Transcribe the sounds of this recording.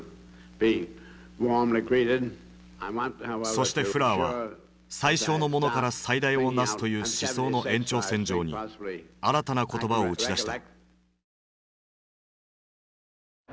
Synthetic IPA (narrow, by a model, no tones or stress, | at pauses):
b̥i | wɔmliɡɹiɾɪd | aɪwɑ̃nthaso̞ɕi̥t̪e̞ɯ̟ɾaβa̰ | saiɕo̞ːno̞mo̞no̞kaɾasaid̪aio̞nasɨ̥t̪o̞jɯ̟ːɕiso̞ːno̞ẽ̞ɲt͡ɕo̞ːsẽ̞ɲ̟d͡ʑo̞ːɲ̟ḭaɾat̪anako̞t̪o̞bao̞ɯ̟t͡ɕiad̪aɕt̪